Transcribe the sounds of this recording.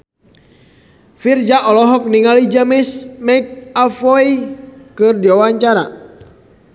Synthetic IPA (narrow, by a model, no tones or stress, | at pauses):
fird͡ʒaʔɔlɔɦɔk̚niŋalid͡ʒamɛsmɛk̚afɔikɨrdiwawaɲt͡ʃaɾa̰